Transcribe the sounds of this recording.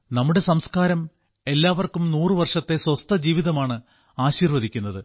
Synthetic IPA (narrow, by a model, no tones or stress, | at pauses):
nɐmːuɽe̞sɐmskaːɾɐm | e̞lːaːʋɐrkumnuːrɨʋɐrʂɐt̪ːe̞swɐst̪ʰɐd͡ʑiːʋiðɐmaːɳɨ | aːɕiːrʋɐðikʲːunːɐðɨ